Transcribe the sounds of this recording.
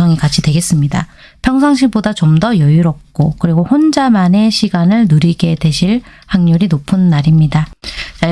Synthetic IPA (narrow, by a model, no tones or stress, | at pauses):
ʌŋikat͡ɕʰidwe̞ɡe̞s͈ɯmɲida̰ | pʰjʌŋs̬ʰaŋɕ̬ʰiɭbodat͡ɕʌmdʌjʌjuɾʌp̚k͈okɯɾiɡohond͡ʑamane̞ɕʰiɡanɯɭnuɾiɡe̞de̞ɕʰiɭhaŋɲuɾinopʰɯnːaɾimɲidat͡ɕa